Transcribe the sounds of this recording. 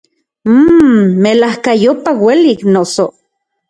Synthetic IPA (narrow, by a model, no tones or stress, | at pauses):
melahkajopaweliːknoso